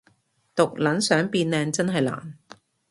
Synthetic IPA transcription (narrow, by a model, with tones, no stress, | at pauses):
t̪ʊ˨k̚lɐ˨˥nsœː˨˥ŋpiː˧nlɛː˧ŋt͡sɐ˥nɦɐ˨jla̰ː˨˩n